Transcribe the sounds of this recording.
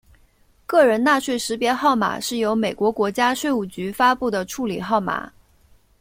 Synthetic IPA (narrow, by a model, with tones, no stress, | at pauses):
kɤ˥˩ɻə˧˥nna˥˧ʂwe˥˩ɪʂɻ̩˧˥pjɛ˧˥xɑ˥˩ʊma̰˨˩ʂɻ̩˥˩jo˧˥ʊme˨˩ɪkwɔ˧˥kwɔ˧˥t͡ɕja˥ʂwe˥˧ɪu˥˩t͡ɕy˧˥fa˥pu˥˩d̪ə˩ʈ͡ʂʰu˥˩lḭ˨˩xɑ˥˩ʊma̰˨˩˦